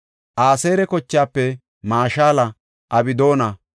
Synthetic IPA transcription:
ʔaːseːɾɛkɔt͡ʃːɪjaːpːɛ | maːʃaːlɐ | ʔɐbɪd̪o̞ːnɐ

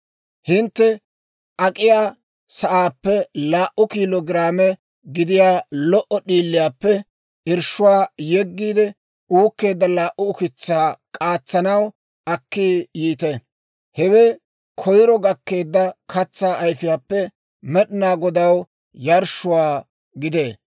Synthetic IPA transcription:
hɪnt̪ːɛ | ʔɐkʼɪjaː | sɐʔaːpːɛlaːʔʊkiːlɔɡɪɾaːmɛ | ɡɪd̪ɪjaːlɔʔɔɗiːlːɪjaːpːɛ | ʔɪɾʃʊwaːjɛɡːiːd̪ɛ | uːkːe̞ːd̪ːɐlaːʔʊːkɪt͡sːaːkʼaːt͡sːɐnɐw | ʔɐkːijiːt̪ɛ | hɛwɛ | kʰɔjɾɔɡɐkːe̞ːd̪ːɐkʰɐt͡sːaːjfɪjaːpːɛ | mɛɗnaːɡɔd̪ɐw | jɐɾʃʊwaː | ɡɪd̪eː

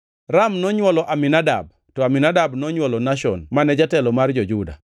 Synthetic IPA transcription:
ramnɔɲwɔlɔʔaminada̰b̚ | tɔaminadabnɔɲwɔlɔnaʃɔ̰nmanɛd͡ʒatɛlɔmard͡ʒɔd͡ʒuda̰

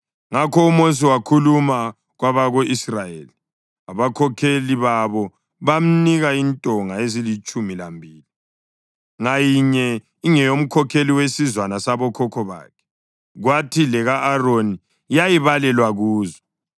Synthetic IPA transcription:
ŋakʰɔumos̬iwakʰuluma | ɣwaβaɣoʔisrajḛːli | aβakʰɔkʰeliβaβɔ | βam̩niɣaintʼɔŋaezilit͡ʃʼumilambʱiːli | ŋajiɲɛ | iŋɛjom̩kʰɔkʰeliwesizwanasaβɔkʰɔkʰɔβa̰ːkʰɛ̥ | ɣwatʰilɛɣaʔːroni | jajiβalɛlwaɣuːzɔ

